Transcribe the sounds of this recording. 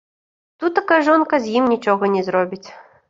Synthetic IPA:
t̪ut̪ːakajʐɔnkɐzʲjimnʲit͡ʂɔɣɐnʲɛzɾɔbʲit͡sʲ

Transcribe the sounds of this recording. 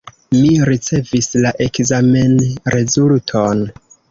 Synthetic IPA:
miɾit͡se̞vislaʔe̞kzame̞nɾe̞zultʰon

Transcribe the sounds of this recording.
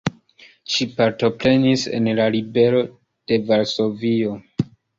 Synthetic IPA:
ʃipaɾto̞pɾe̞nise̞̰nlaɾibe̞ɾo̞ | d̥e̞vaɾso̞vio̞

